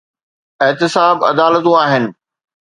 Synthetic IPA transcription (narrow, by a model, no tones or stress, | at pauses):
ɪɦt̪ɪsaːbɐ̰d̪aːlət̪ũaːɦɪnɪ̆